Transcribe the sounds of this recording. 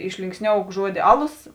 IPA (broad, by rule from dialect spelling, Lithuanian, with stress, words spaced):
ɪʃʲlʲɪŋksʲˈnʲoːʊk ˈʒuɔdʲɪ ˈɑːˌlˠoːs